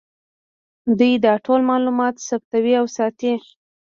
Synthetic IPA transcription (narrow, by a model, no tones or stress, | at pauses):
d̪ujd̪ɑʈʰolmɑlumɑt̪sab̚t̪awiawsɑt̪i